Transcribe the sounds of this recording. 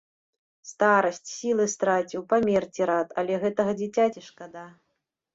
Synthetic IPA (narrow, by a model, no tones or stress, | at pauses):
st̪aɾɐsʲt͡sʲsʲilˠɨst̪ɾat͡sʲiwpamʲɛrt͡sʲiɾat̪ʰɐlʲɛɣɛt̪ɐɣɐd͡zʲit͡sʲat͡sʲiʂkad̪a